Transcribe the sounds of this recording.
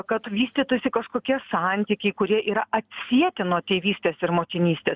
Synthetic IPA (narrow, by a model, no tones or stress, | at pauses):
kɐt̪ʋʲiːsʲt̪ʲiːt̪ʊsʲɪkɐʃkoːkʲiɛsɑˑnʲt̪ʲiːkʲɛɪkʊɾʲiɛʔiːɾɐʔɐt̪ʲsʲiɛt̪ʲɪnuɔt̪ʲeːʋʲiːsʲt̪ʲeːsɪɾmoːkʲɪnʲiːsʲt̪ʲeːs